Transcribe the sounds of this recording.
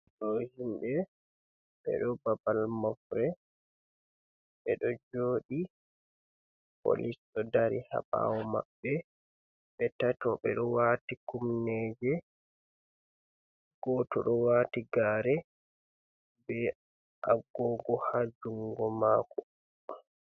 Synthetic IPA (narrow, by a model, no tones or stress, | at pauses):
ɗɔhimbɛ | ɓɛ̰ɗɔbabalmɔfɾɛ | ɓɛɗɔd͡ʒoːɗi | po̰lisɗɔdaɾiha̰ɓa̰wɔma̰bːɛ | ɓɛtatɔɓɛɗɔwaːtikumnɛd͡ʒɛ | ɡ̥ɔtɔɗɔwaːtiɡaːɾɛ | bɛ | ʔaɡɔɡɔhad͡ʒuŋɡɔmaːkɔ